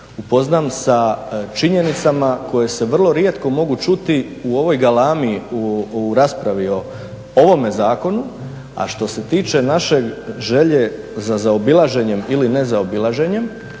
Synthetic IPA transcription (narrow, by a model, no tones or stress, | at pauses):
upo̞znamsat͡ʃiɲe̞nit̪samako̞je̞se̞ʋr̩lˠo̞ɾje̞t̪ko̞mo̞ɡut͡ʃut̪iuo̞ʋo̞jɡalaːmiuuɾaːspɾaʋio̞ | oʋo̞me̞zaːko̞nu | a̰ʃt̪o̞se̞t̪iːt͡ʃe̞naʃe̞ɡʒe̞ʎe̞ | zazaobilˠaʒe̞ɲe̞miline̞zaobilˠaʒe̞ɲe̞m